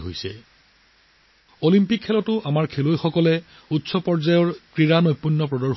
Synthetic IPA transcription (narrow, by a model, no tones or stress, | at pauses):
ɦo̰jsɛ̰ | olimpikʰːɛlɔtʊʔamaɹkʰelojxɔkɔlɛ | utsɔpɔɹzajɔɹkɹiɹanojpːunːɔpɹɔdɔɹ